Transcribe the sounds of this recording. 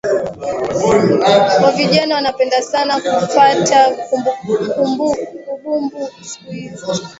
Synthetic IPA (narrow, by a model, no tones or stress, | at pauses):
kɔviʄanawanapɛndasanakupatakumbkumbuuɓumbusuizi